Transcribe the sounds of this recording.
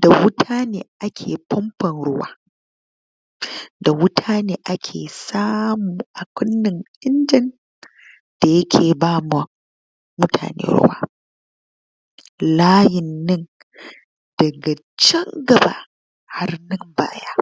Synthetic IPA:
d̥a˨wʊ˦tʰaː˦neː˨ʔa˦kʲʰeː˨pɔ˦mpɐ˨nɽʊ˦wa̰ː˦ | da˨wʊ˦tʰaː˦neː˦ʔa˦kʲʰeː˨saː˦muː˨ʔa˨kʷʊ˦nːɪ˨ŋʔɪ˦nd͡ʒɪ˦n | d̥a˨jɐ˦kʲʰeː˨baː˦ma˨ | mʊ˦tʰa̰ː˨nḛː˦ɽʊ̰˦wa̰ː˦ | laː˦jɪ˨nːɪ˦n | d̥ɐ˨ɡa˨ | t͡ʃɛ˦ŋɡɐ˨ba̰ː˦ | ha˦rnɪ˦mba̰ː˦jaː˦

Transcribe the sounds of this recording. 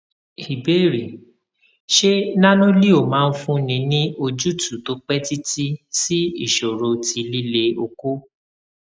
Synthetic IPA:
i˨be˦˨ɾi˨ | ʃe˦nã˦nũ˦li˦o˨mãː˨˦˧n̩˦fũ˦nĩ˧nĩ˦o˧d͡ʒu˦tu˨to˨˦k͡pɛ˦ti˦ti˦si˦ḭ˦˨ʃo˨ɾo˧ti˧li˦le˧o˧ko˦

